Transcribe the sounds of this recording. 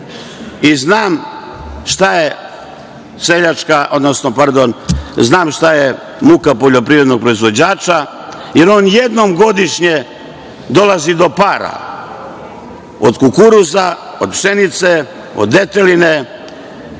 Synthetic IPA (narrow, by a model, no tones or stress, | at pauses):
iznaːm | ʃt̪aje | seʎat͡ʃkaʔo̞d̪no̞snopaɾd̪o̞nznaːmʃt̪aje | mukapo̞ʎo̞pɾiːʋɾed̪no̞ɡ̚pɾo̞izʋo̞d͡ʑaːt͡ʃa | je̞ɾo̞ːnje̞d̪no̞mɡo̞d̪iʃɲe̞ | d̪o̞lazid̪o̞paːɾa̰ | o̞̰d̪kukuɾuza | od̪pʃe̞nit̪se | o̰d̪ːet̪eline̞